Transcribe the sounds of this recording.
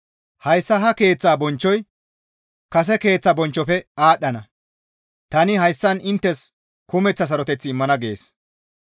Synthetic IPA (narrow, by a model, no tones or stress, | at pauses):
hɐjsːɐɦɐke̞ːt͡sːaːbɔnt͡ʃːɔj | kɐs̬ɛke̞ːt͡sːɐbɔnt͡ʃːɔfɛaːɗːɐnɐ | t̪ɐnɪhɐjsːɐnɪnt̪ːɛs | kʊmɛt͡sːɐs̬ɐɾɔt̪ɛt͡sːɪːmːɐnɐɡe̞ːs